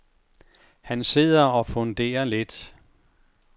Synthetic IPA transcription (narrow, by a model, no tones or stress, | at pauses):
hænse̝ð̰ˠɐɒfɔ̽nd̥e̝̰ːɐle̝d̥